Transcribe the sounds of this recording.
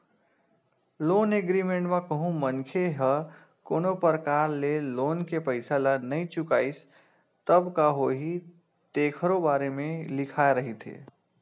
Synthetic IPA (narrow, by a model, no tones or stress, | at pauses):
loːneɡɾimẽɳʈmakəɦũmənkʰeɦə | koːnopəɾəkaːɾleloːnkepəɪsalanəĩt͡ʃʊkaːis | t̪əbkaɦoɦi | t̪eːkʰəɾobaːɾemẽlɪkʰaeɾəɦit̪ʰḛː